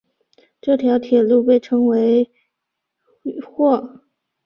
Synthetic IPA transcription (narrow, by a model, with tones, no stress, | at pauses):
ʈ͡ʂɤ˥˩t̪ʰjɑ˧˥ʊt̪ʰjɛ˨˩lu˥˧pe˥˩ɪʈ͡ʂʰɤ˥ŋwe˧˥ɪ | xwɔ˥˩